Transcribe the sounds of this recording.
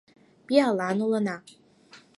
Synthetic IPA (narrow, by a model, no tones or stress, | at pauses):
pialanulana